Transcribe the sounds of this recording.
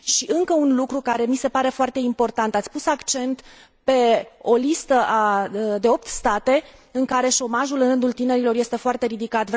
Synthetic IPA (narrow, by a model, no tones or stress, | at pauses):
ʃiʔɨŋkəunlukɾukaɾe̞mise̞paɾe̞foart̪e̞impo̞rt̪ant̪at̪sʲpusakt͡ʃe̞nt̪ | pe̞o̞list̪əʔad̪e̞o̞p̚t̪st̪at̪eɨŋkaɾe̞ʃo̞maʒulɨnrɨnd̪ult̪ine̞ɾilo̞rje̞st̪e̞foart̪e̞ɾid̪ikat̪v